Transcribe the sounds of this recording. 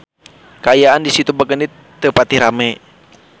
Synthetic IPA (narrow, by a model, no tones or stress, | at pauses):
kaːjaandisit̪ubaɡəni | t̪əpat̪iɾamɛ